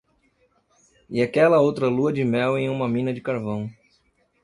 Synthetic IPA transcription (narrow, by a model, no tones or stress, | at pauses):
ɪakɛlɐowt̪ɾɐluɐd͡ʒɪmɛwẽj̃ũmɐmĩnɐd͡ʒɪkaɾvɐ̃w̃